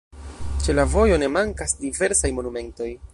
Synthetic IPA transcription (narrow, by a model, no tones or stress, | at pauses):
t͡ʃe̞lavo̞jo̞ne̞maŋkasdive̞ɾsajmo̞nume̞nto̞j